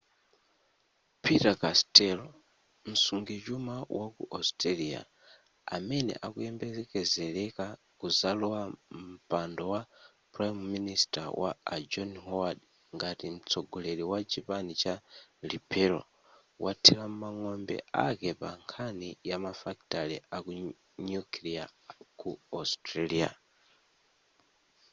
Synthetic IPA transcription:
pʰitakastɛlɔ | m̩suŋɡɛt͡ʃumawʔakṵʔastalia̰ | a̰mɛnɛ̰ʔakujɛmbɛɛkɛzɛɾɛka | kuzalɔwam̩pandɔwa | pɾajmːinistawa̰ad͡ʒɔnɦɔwad | ŋɡatim̩t͡sʰɔɡɔlɛɾiwat͡ʃʰipanit͡ʃalipʰɛlɔ̰ | watʰilam̩maŋɔmbɛ̰akɛpaŋkʰanijamafak̚talḭʔaku | nukʰlia̰kuastɾalia̰

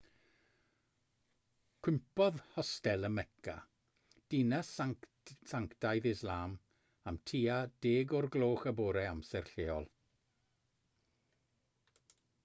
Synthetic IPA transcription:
kʰw̥ɪmpɔðhɔstɛlˠəmɛkʰa̰ | d̥inɛs | saŋktajðɪslˠaːm | amtʰiːad̥eːɡɔrɡlˠoːχəboːɾɛamsɛrɬeːɔlˠ

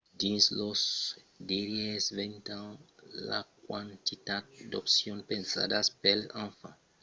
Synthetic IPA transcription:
d̪ĩnslosd̪iɾjesvẽnt̪ãnla̰kwãnt̪it̪at̪̚d̪o̰psjõnpẽnsa̰d̪aspelãfa

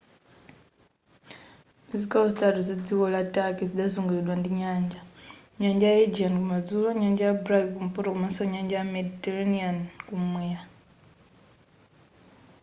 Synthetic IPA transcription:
izikaβozitatuzed͡ziɣolatakezidazuːŋɡulidwandiɲaːɲd͡ʒa | ɲaɲd͡ʒajed͡ʒiankumad͡zuloɲaːɲd͡ʒajabɾakkumupoɾokumansoɲaːɲd͡ʒajamedtelniankumweja

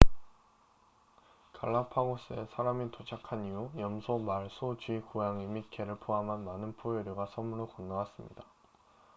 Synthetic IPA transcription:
kaɭːapʰaɡos͈ɯesʰaɾamitot͡ɕʰakʰaniujʌmsʰomaɭsʰot͡ɕuikojaŋimikʰeɾɯɭpʰoɦamɦanmanɯnpʰoeɾjoɡasʰʌmunɯɭkʌnːawas͈ɯmɲḭda

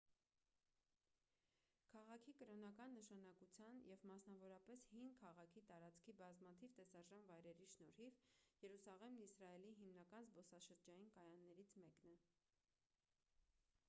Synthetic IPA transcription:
kʰɑʁɑkʰikəɾɔnɑkɑnːəʃɑnɑkut͡sʰjɑnjɛvmɑsnɑvɔɾɑpɛshinkʰɑʁɑkʰit̪ɑɾɑt͡skʰibɑzmɑt̪ʰivt̪ɛsɑʒɑnvɑjɾɛɾiʃnɔɾhivjɛɾusɑʁɛmnisɾɑɛliɦimnɑkɑnzbɔsɑʃəɾd͡ʒɑjinkɑjɑnːɛɾit͡sʰmɛknɛ

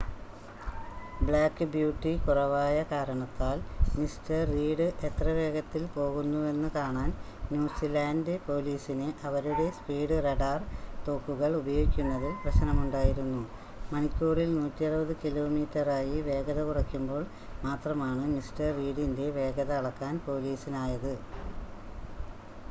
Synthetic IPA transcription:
bɭaːkːɨbjuːʈːikurɐʋaːjɐkaːɾɐɳɐt̪ːaːlmistɐriːɽɨʔe̞t̪rɐʋe̞ːɣɐt̪ːilpo̞ːɣunːue̞nːɨkaːɳaːn | njuːsilaːndɨpo̞ːliːsinɨʔɐʋɐɾuɽe̞spiːɽɨreɽaːrt̪o̞ːkːuɣɐɭubɐjoːikʲːunːɐðilprɐɕɐnɐmuɳɖaːjiɾunːu | mɐnikʲːuːrilnuːtːijɐrubɐðɨkilo̞ːmiːtːɐraːjiʋe̞ːɡɐðɐkurɐkʲːumbo̞ːɭ | maːt̪rɐmaːɳɨmistɐrːiːɽinde̞ʋe̞ːɡɐðɐːɭɐkːaːnpo̞ːliːsinaːjɐðɨ

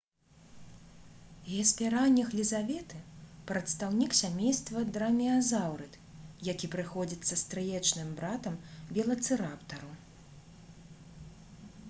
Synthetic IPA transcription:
ɛsʲpʲɛɾanʲːɐxlʲizavʲɛt̪ɨpɾɐt̪st̪awnʲiksʲamʲejst̪vɐd̪ɾɐmʲiazawɾɨt̪ | jakʲipɾɨxɔd͡zʲit̪sːɐst̪ɾɨjɛt͡ʂnɨmbɾat̪ɐmbʲɛlˠɐt̪sɨɾapt̪ɐɾu

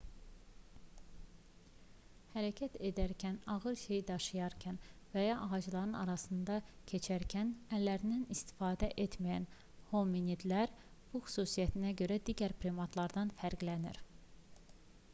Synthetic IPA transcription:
hæɾæcʰæt̪ʰe̞d̪æɾcʰænɑɣɯɾʃe̞jd̪ɑʃɯjɑɾcʰænvæjɑʔɑʁɑd͡ʒlˠɑɾɯnɑɾɑsɯnd̪ɑcʰe̞t͡ʃʰæɾcʰænælːæɾinænist̪i̥fɑːd̪æʔe̞t̪mæjæn | hominid̪læɾ | b̥uxy̥suːsijæt̪ʰinæɟø̞ɾæd̪iːɟæɾpʰɾimɑt̪lˠɑɾd̪ɑnfæɾɡlænḭɾ

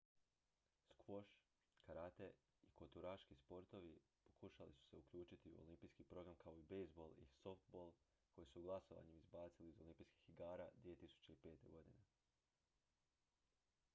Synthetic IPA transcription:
skʋo̞ʃ | kaɾat̪e̞ | ikot̪uɾaːʃkispo̞ɾt̪o̞ʋi | po̥kuʃalḭsu̥se̞uklʎuːt͡ʃit̪iṵo̰limpiːskipɾo̞ɡɾamkʰao̞ibejzbo̞lˠḭlsoft̪bo̞lˠ | kʰo̞jisuɡlˠaso̞ʋa̰ɲemizbaːt̪siliizo̞limpiːski̥xiɡaːɾad̪ʋije̞t̪isu̥t͡ɕe̞ipe̞ːt̪e̞ɡo̞d̪ine

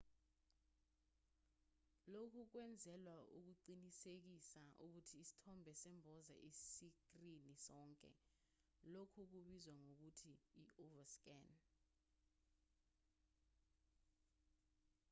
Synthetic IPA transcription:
lokʰuk̬wɛnd͡zʱɛlwaṵk̬uǃinisek̬isauk̬utʰiːsi̥tʰɔmbʱɛsɛmbʱɔza̰ʔissikrinisɔːŋkʼɛ̰ | lokʰuk̬uɓizwaŋok̬utʰiːɔvask̬ɛn

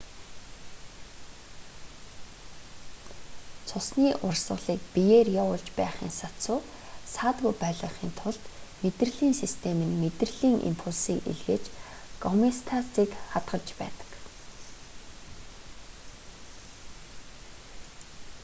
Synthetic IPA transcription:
t͡sʰʊsniːʔʊrsə̆ɮiːk̚pijeːrjaʊɮt͡ɕpæːχiːŋsat͡sʊː | saːt̪ɣujpæɮə̆χiːnt̪ʰʊɮt̪met̪rɘ̆ɮiːŋsist̪ʰemɘ̆nmet̪rɘ̆ɮiːŋʔḭmpʰuɮsiːkḭɮɣeːt͡ɕ | ɡ̥ɔmest̪ʰat͡siːkχat̪ɢə̆ɮt͡ɕpæ̰ːt̪ə̥̆k

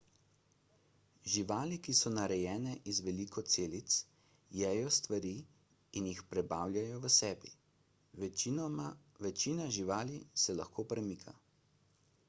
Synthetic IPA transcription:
ʒiʋaːlikisɔnaɾɛjɛːnɛʔizʋɛliːkʰɔt̪seːlit̪s | jɛːjɔst̪ʋaɾiː | injixpɾɛbaːwlʲjajɔʋəsɛːbi | ʋɛt͡ʃinaʒiʋaːlisɛlaxkʰoːpɾɛmikʰa

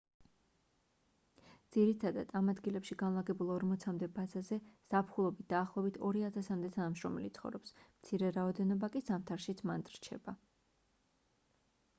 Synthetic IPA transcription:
d̪z̥iɾit̪ʰad̪a̰d̪amad̪ɡilɛpʃiɡanlˠaɡɛbulˠɔɾmɔt̪sʰamd̪ɛbazazɛz̥apʰχulˠɔbit̪̚ʰd̪̥aːχlˠɔɛbit̪ʰɔɾiat̪ʰasamd̪ɛt̪ʰanamʃɾɔmɛlḭt̪sχɔ̰vɾɔpsmt̪sʰiɾɛɾaɔd̪ɛnɔbakʼisamt̪ʰaɾʃit̪sʰmant̪ʼɾt͡ʃʰɛ̰ba

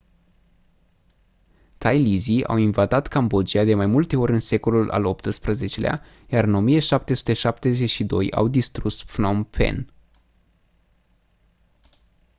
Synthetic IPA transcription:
t̪ʰajlizia̰winvat̪at̪kambo̞d͡ʒiad̪e̞majmult̪e̞o̞ɾʲɨnse̞ko̞lulʔa̰lo̞pt̪ɨspɾəze̞t͡ʃe̞lea̰ | jaɾɨno̞mijeʃap̚t̪e̞su̥t̪e̞ʃap̚t̪e̞ze̞ʃid̪o̞̰ja̰wd̪ist̪ɾusflompʰḛn

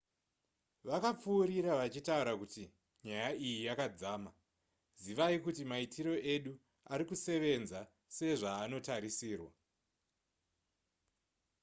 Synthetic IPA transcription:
ʋakap͡fuːɾiɾaʋat͡ʃitauɾakuti | ɲajaijijakad͡zaːma | ziʋaikutimaitʰiɾo̞ʔe̞ɗu | aɾikuse̞ʋe̞nza | se̞ʐaːno̞taɾisiːrwa

